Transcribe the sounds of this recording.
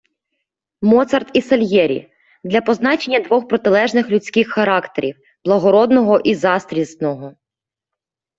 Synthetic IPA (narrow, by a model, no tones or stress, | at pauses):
mɔt̪sɐrt̪isɐlʲjɛɾʲḭ | d̪lʲɐpɔznɑt͡ʃe̞nʲːɐd̪ʋɔxpɾɔt̪ɪlˠɛʒnɪxlʲʊt͡sʲkɪxːɐɾɑkt̪eɾʲiw | blˠɐɦɔɾɔd̪nɔɦɔʔizɑst̪ɾʲisnɔɦɔ